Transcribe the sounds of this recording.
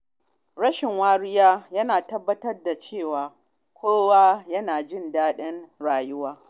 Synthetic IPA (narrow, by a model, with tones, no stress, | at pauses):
ɽɐ˦ʃɪ˨ŋwaː˦ɽɪ˦jaː˦jɐ˦naː˨tɐ˦bːɐ˦tɐ˦rda˨t͡ʃeː˦˨waː˨ | kʷʰoː˦waː˦jɐ˦naː˨d͡ʒɪ˦˨ndaː˦ɗɛ˦nɽaː˨jʊ˦waː˦